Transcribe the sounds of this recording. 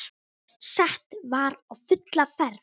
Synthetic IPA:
sɛht̪vaɾawfʏt̪lafɛɾ

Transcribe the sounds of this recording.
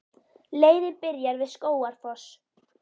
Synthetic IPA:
leːjðɪpɪɾjaɾvɪðskoːwaɾ̥θɔs

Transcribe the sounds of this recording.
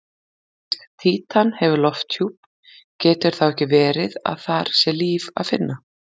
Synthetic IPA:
t̪ʰiːt̪ʰanhɛvʏlɔft̪juːp̚ | cɛːt̪ʏɾ̥θawɛhcɪvɛːɾɪða̰ðθaɾ̥sɛliːva̰ðfɪ̰nːʔa

